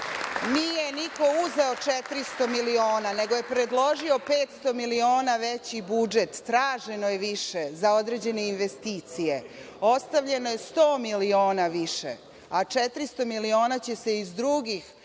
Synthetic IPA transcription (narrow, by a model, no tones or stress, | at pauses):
nijeniko̞uzeo̞t͡ʃet̪ɾist̪o̞milio̞ːnane̞ɡo̞je̞pɾe̞d̪lˠo̞ʒio̞pe̞ːt̪st̪o̞milio̞ːnaʋet͡ɕibud͡ʒe̞t̪ːɾaːʒe̞no̞jeʋiʃezao̞d̪ɾe̞d͡ʑe̞ne̞inʋest̪iːt̪sije̞ | o̞st̪aʋʎe̞no̞je̞st̪o̞ːmilio̞ːnaʋiʃḛ | at͡ʃet̪ɾist̪o̞milio̞ːnat͡ɕe̞se̞izd̪ɾuɡix